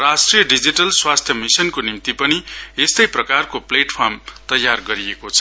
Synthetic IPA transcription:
rasʈrijʌɖid͡ziʈʌlswast̪ʰjʌmisʌnkonimt̪ipʌniest̪ʌjprʌkarkopleʈpʰʌrmt̪ʌjːarɡʌɾiekot͡sʰʌ

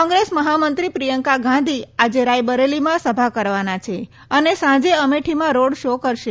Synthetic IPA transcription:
ɔ̃ŋɡɾesməɦamənt̪ɾipɾijəŋkaɡãnd̪ʱiad͡ʒeɾajbəɾelimãsəbʱakəɾʋanat͡ʃʰe | ənesãd͡ʒeəmeʈʰimãɾoɽʃokəɾʃe

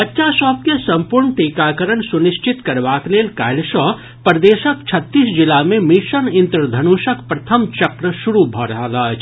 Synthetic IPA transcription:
ɐtːʃʰasɔːp̚kesɐmpuɾɳt̪eːkaːkəɾəɳsuniʃt͡ʃit̪kɐɾbaːkleːlkaːlʃɔ | pɾd̪eːʃəkt͡ʃʰət̪ːiːsd͡ʒilamẽmiʃənɪnt̪ɾəd̪ʱɐnuːʃəkpɾɐt̪ʰəmt͡ʃɐkɾəʃuɾubʱɔɾɐɦəlat͡ʃʰ

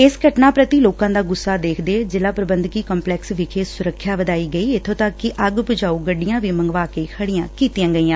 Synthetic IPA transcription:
ɪsɡʱəʈnaːpɾət̪iːloːkãːd̪aːɡʊsːaːd̪eːkʰd̪eːd͡ʒɪlaːpɾəbənd̪kiːkɔmplɛːksʋɪkʰeːsʊɾəkʰːjaːʋəd̪aːiːɡəiːɪt̪ʰõːt̪əkːɪʔəɡbʊd͡ʒaːuːɡəɖːɪjãːʋiːməŋɡʋaːkeːkʰəɽɪjãːkiːt̪ɪjãːɡəiːãː

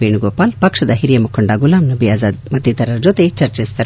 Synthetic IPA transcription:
ʋeːnuɡoːpaːlpɐkʂɐd̪ɐɦiɾijɐmukʰːoɳɖaɡulaːmnɐbʱijaːzaːd̪mɐt̪ːit̪ɐɾɐd͡ʒot̪et͡ʃɐɾt͡ʃest̪ɐɾ

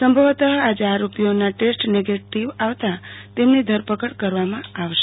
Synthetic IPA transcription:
səmbʱəʋt̪əɦad͡ʒaɾopjonaʈesʈneɡeʈiʋaʋt̪at̪emnid̪ʱəɾpəkəɽkəɾʋamãaʋʃe

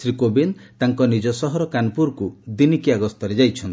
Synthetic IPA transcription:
sɾikobint̪aŋkɔnid͡ʒɔsɔɦɔɾɔkanpuɾkud̪inikiaɡɔst̪ɔɾed͡ʒajt͡ʃʰɔnt̪i̥

